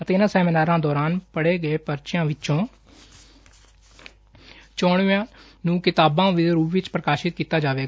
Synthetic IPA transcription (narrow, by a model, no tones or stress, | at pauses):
ət̪eːɪnãːsɛːmɪnaːɾãːd̪ɔːɾaːnpəɽeːɡəeːpəɾt͡ʃɪjãːʋɪt͡ʃõː | t͡ʃoːɳãː | nũːkɪt̪aːbãːʋɪɾuːʋɪt͡ʃpɾəkaːʃɪt̪̚kiːt̪aːd͡ʒaːʋeːɡ